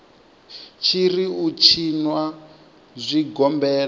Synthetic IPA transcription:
t͡ʃʰiɾiut͡ʃʰinwa | zʷiɡɔmbɛːla

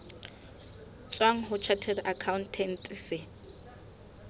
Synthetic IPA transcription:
t͡sʼwaŋ̩ɦʊt͡ʃʰatʰɛdakʰaʊntʰɛn̩tʼisɪ

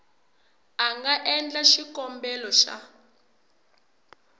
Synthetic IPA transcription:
aŋɡaʔɛnd͡ɮaʃikɔmbɛlɔʃa̰

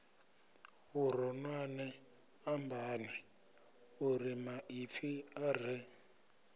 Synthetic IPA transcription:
βuɾɔnwanɛ | ambʱaːnɛ | uɾimaʔifiar̤ɛ

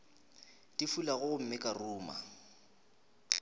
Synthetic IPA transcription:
tʼifulaɣʊʊm̩mɪkʼaruːma̰

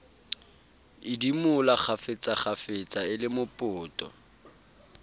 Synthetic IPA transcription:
ɪdimʊlaχʰafet͡sʼaχʰafɪt͡sʼaɪlɪmʊpʼʊːtʼɔ̰

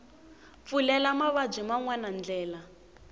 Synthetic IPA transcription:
p̪fulɛlamaβab͡ʐʷimaŋwanand͡ɮɛːla

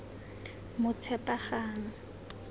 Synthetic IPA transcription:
mʊt͡sʰɛpʼaχaːŋ̩

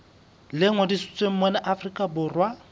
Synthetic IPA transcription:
lɪŋwɛdisu̥t͡sʼweŋ̩mɔnaʔafrikʼabʊrwa

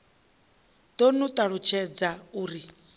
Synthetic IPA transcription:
d̪onut̪ʼaɺut͡ʃʰɛd͡zauːɾi

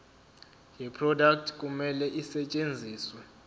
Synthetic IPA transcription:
jipʰrɔdak̚tʰk̬ʼumɛlɛʔisɛt͡ʃʼend͡zʱiːswɛ

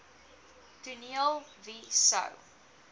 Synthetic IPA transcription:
tuniəlˠ | visə̰w

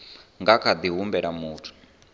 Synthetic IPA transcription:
ŋɡakʰad̪iɦumbɛɺamuːtʰu̥

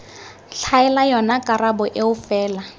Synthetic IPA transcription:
ɬʰaɛlajɔnakʼarabɔʔeʊfɛːla

